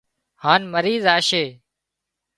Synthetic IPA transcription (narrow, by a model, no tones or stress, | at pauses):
haːnməɾiːzaːʃeː